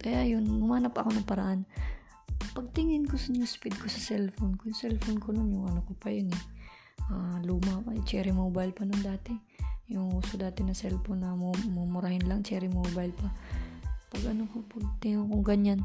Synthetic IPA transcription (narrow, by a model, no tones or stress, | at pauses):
kɐjajonɡʊmaːnɐpʔɐko̞nɐŋpɐɾɐʔan | pɐɡ̚t̪ɪŋɪnkosnʊŋspɪd̪̚ko̞sɐsɛlfonkojʊŋsɛlfonkononjʊŋʔɐnokopɐjonɛ | ʔaluːmɐpɐt͡ʃɛːɾɪmobajlpɐnoŋd̪aːt̪ɛ | jʊŋuːsod̪aːt̪ɛnɐsɛlfonːɐmomʊmʊɾahɪnlɐŋt͡ʃɛːɾɪmobajlpɐ | pɐɡʔɐnokopɐɡ̚t̪ɪŋokoŋɡɐɲan